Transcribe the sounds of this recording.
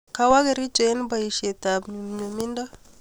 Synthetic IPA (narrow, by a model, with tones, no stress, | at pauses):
ka˨wa˦ɡe˨ɾi˦d͡ʒe˨˦n˦ba˨i˨ʃe˨d̪a˨bɲo˨mi˦nda˦